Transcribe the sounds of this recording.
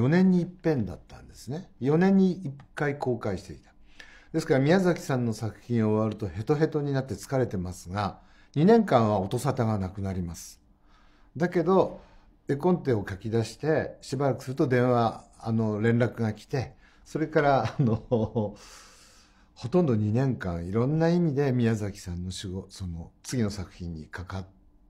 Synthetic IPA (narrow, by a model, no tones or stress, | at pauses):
jo̞nẽ̞ɲ̟ːiːpːẽ̞nd̪a̰t̪ːãnd̪e̞sɨnejo̞nẽ̞ɲ̟ːiːkːaiko̞ːkaiɕi̥t̪e̞it̪ḁ | d̪̥e̞sɨ̥kaɾamʲiazakʲi̥sãnːo̞sakɯ̟̥çĩɰ̃o̞βaɾɯ̟t̪o̞he̞t̪o̞ɦe̞t̪o̞ɲ̟inat̪ːe̞t͡sɨ̥kaɾe̞t̪e̞masɨɡa | ɲ̟inẽ̞ŋkãɰ̃βao̞t̪o̞sat̪aɡanakɯ̟naɾʲimasɨ̥ | d̪ake̞d̪o̞ | e̞kõ̞nt̪e̞o̞kakʲid̪aɕi̥t̪e̞ɕibaɾakɯ̟sɨɾɯ̟t̪o̞d̪ẽ̞ɰ̃βaano̞ɾẽ̞nɾakɯ̟ɡakʲi̥t̪e̞ | so̞ɾe̞kaɾaːno | ho̞t̪õ̞nd̪o̞ɲ̟inẽ̞ŋkãɰ̃iɾõ̞nːaimʲid̪e̞mʲiazakʲi̥sãnːo̞ɕiɡoso̞not͡sɨɡʲino̞sakɯ̟̥çʲĩɲ̟ːḭkakat̪